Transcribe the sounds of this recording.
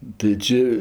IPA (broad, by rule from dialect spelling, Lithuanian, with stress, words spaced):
tɐɪ ˈt͡ʃʲɪ